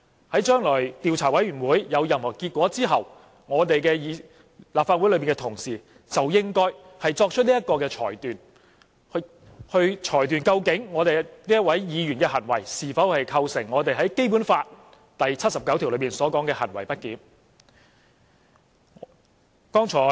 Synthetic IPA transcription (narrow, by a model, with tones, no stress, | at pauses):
hɐ˨˥jt͡ʃœː˥ŋlɔː˨˩jt̪iː˨wt͡sʰaː˨˩wɐ˨˥jɥyː˨˩nwuː˨˥jjɐ˨˧wjɐ˨mhɔː˨˩kiː˧t̚kʷɔː˨˥t͡siː˥ɦɐ˨w | ŋɔː˨˧t̪e˨jkɛː˧jiː˨˧ | laː˨pfaː˧t̚u˨˥jlɵ˨˧ɥpi˨˩kɛ˧t̪ʰʊ˨˩ŋsiː˨˩ | t͡sɐ˨wjɪ˥ŋkɔː˥j | hɐ˨jt͡sɔː˧k̚t͡ʃʰɵ˥t̚liː˥ɐ˥t̚kɔː˧kɛː˧t͡ʃʰɔ̰ː˨˩jt̪yː˨n | hɵ˧ɥt͡ʃʰɔː˨˩jt̪̬yː˨˩nkɐ˧wkɪ˨˥ŋŋɔː˨˧t̪e˨jniː˥jɐ˥t̚wɐ˨˥jjiː˨˧jyː˨˩nkɛː˧hɐ˨˩nwɐ˨˩jsiː˨˩fɐ˨˥whɐ˨jkʰɐ˧wsɪ˨˩ŋːɔː˨˧t̪e˨jɦɐ˨˥jke˥jp̬uː˨˥nfaː˧t̚ | t̪ɐ˨jt͡sʰɐ˥t̚sɐ˨p̚kɐ˨˥wt̪ʰi˨wlpmiː˨˩nsɔː˨˥kɔː˨˥ŋkɛː˧hɐ̰˨˩nwɐ˨˩jpɐ˥t̚kiː˨˥n | kɔː˥ŋt͡sʰɔː˨˥